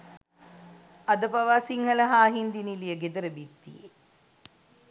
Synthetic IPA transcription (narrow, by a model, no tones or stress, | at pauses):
ɐd̪əpɐʋaːsiŋhɐlɐɦaːɦind̪inilijəɡed̪əɾəbit̪ːḭje